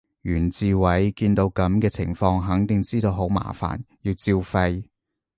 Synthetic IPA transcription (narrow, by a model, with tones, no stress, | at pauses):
jyː˨˩nt͡siː˧wɐ˨˥jkiː˧nt̪o˨˧wkɐ˨˥mkɛː˧t͡sʰɪ̰˨˩ŋfɔː˧ŋɦɐ˨˥ŋt̪ɪ˨ŋt͡siː˥t̪o˧wɦo˨˥wma̰ː˨˩fa̰ː˨˩njiː˧wt͡siː˧wfɐ˧j